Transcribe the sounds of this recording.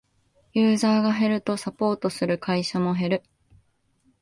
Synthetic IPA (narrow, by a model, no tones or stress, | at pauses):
jɯ̟ːzaːɡaɦe̞ɾɯ̟t̪o̞sapo̞ːt̪o̞sɨɾɯ̟kʰaiɕamo̞ɦe̞ɾɯ̟